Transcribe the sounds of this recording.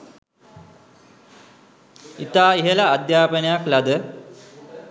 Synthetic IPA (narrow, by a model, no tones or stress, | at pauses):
it̪aːiɦəlaːd̪jaːpənejaklad̪ə